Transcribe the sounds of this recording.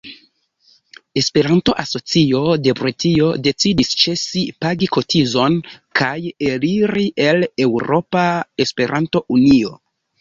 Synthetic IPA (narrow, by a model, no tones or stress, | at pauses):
e̞spe̞ɾanto̞ʔaso̞t͡sio̞de̞bɾutio̞de̞t͡sidist͡ʃe̞sipaɡiko̞tʰizo̞nkʰaje̞liɾiʔe̞le̞wɾo̞pae̞spe̞ɾʔanto̞ʔunio